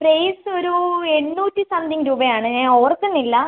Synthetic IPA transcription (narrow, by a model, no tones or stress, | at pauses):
prejsoɾueɳːuːtːisɐnd̪iŋɾuːbɐjaːɳɨɲaːoːrk̪ːunːilːɐ